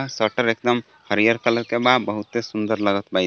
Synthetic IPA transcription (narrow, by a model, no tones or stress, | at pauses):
sɔʈəɾekd̪ɔm | həɾijəɾkələɾkebabəɦut̪esund̪əɾləɡɔt̪baj